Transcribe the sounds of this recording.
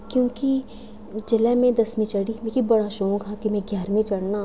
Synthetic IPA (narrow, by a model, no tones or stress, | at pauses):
kjõːki | d͡ʒɪlɛmẽd̪ɐsmẽt͡ʃɐɽimẽkibɐɽaʃõːkʰakimẽɡjaːɾmẽt͡ʃɐɽnaː